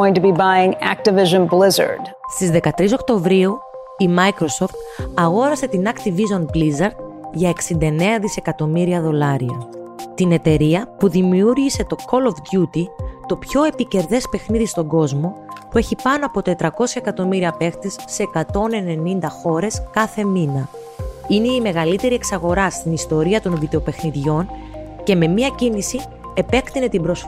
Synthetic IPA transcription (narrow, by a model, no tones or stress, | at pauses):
ɪ̃ŋtɨbibaɪɪ̃ŋæ̰k̚tɨvɪʒə̃nblɪzə̰˞d̥st̪izðe̞kɐt̪ɾiso̞kt̪o̞vɾiu | imɐikɾo̞so̞ft̪ɐɣo̞ɾɐse̞t̪inɐkt̪ivizonblizɐɾd̪̚ | ʝɐe̞ksind̪ɐene̞ɐðise̞kɐt̪o̞miɾiɐðo̞lɐɾiɐ̰ | t̪ine̞t̪e̞ɾiɐpuðimiuɾʝise̞t̪o̞kʰo̞lofd̪ʝut̪it̪o̞pço̞e̞pice̞ɾðe̞spe̞xniðist̪o̞ɡo̞zmo̞pue̞çipɐno̞ɐpo̞t̪e̞t̪ɾɐko̞sçɐekɐt̪o̞miɾiɐpe̞xt̪e̞sːeːkɐt̪o̞ne̞ne̞nind̪ɐxo̞ɾe̞skɐθe̞minɐ | ineime̞ɣɐlit̪e̞ɾieksɐɣo̞ɾɐst̪inist̪o̞ɾiɐt̪o̞nvid̪e̞o̞pe̞xniðʝo̞n | ce̞me̞miɐcinisi | e̞pe̞kt̪ine̞t̪ibɾosf